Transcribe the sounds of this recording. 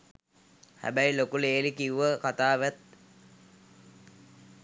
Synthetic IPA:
hæ̰bæjlokuleːlikiuʋəkat̪aːʋæt̪̚

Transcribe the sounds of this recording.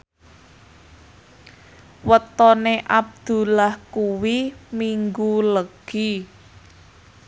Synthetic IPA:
wət̪ɔneʔab̚d̪̥ṳlahkuwimiŋɡuləɡ̥i

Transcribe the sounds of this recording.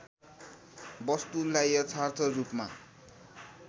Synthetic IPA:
bʌst̪ulajʌt͡sʰart̪ʰʌrupma̰

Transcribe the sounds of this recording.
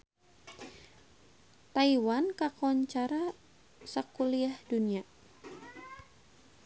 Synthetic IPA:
t̪aiwankakɔɲt͡ʃaɾa | sakuliahdunia

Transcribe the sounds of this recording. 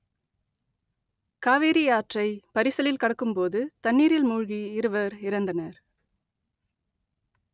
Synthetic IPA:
kaːʋeːɾijaːʈrɐɪpɐɾɪsɐlɪlkɐɽɐkːɯmpoːðɯt̪ɐnːiːɾɪlmuːɻɣiɪɾɯʋɐɾɪɾɐnd̪ɐnɐɾ

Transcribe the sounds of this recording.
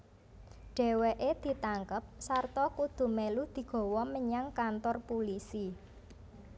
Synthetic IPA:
ɖ̥e̤weʔed̪̥i̤t̪aŋkəp̚sart̪ɔkud̪̥ṳmelud̪̥i̤ɡ̥ɔ̤wɔməɲaŋkant̪ɔrpulisi

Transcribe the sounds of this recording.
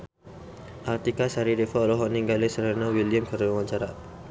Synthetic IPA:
ʔart̪ikasaɾidefalɔɦɔniŋɡalesəɾanawiliəmkəɾənawaɲt͡ʃaɾa

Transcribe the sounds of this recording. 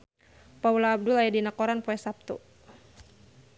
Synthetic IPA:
paulaːb̚dulajadinakɔɾanpɔɛsap̚t̪ṵ

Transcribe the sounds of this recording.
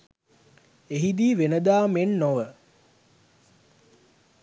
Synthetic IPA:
eɦid̪iːʋenəd̪aːmennoʋə

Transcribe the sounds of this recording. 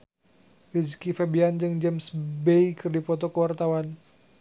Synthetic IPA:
fid͡ʒkifɛbiand͡ʒɨŋd͡ʒɛmsbeikɨrdipɔt̪ɔkəwart̪awan

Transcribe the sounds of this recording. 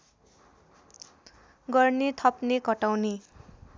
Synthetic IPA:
ɡʌrnet̪ʰʌpnekʌʈawne

